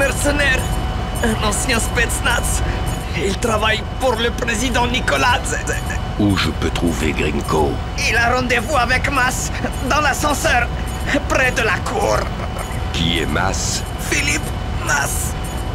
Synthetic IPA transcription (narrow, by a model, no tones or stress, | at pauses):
mɛʁsənɛʁ | ɛ̃nɑ̃sjɛ̃spet̪snas | ilt̪χavaj | puʁləpχezid̪ɑ̃nikɔlaz | uʒəpøt̪χuvḛɡʁiŋko | ilaʁɑ̃d̪evuavɛkmas | d̪ɑ̃lasɑ̃sœʁ | pʁɛd̪əlakʰuʁ | kʲiɛ̰ma̰s | filip | mas